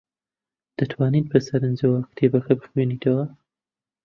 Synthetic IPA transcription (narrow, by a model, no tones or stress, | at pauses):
d̪̥ɐt̪ʰwaːnit̪̚bɐsɐɾɨnd͡ʒɐwakt̪ʰeːbɐxɐbɨxweniːt̪ʰɐwɐ